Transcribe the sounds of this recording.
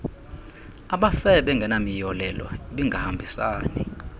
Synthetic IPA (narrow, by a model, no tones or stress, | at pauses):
aɓafɛɓɛŋɡʱɛnamijɔlɛlɔ̰iɓiŋɡʱahambʱisaːni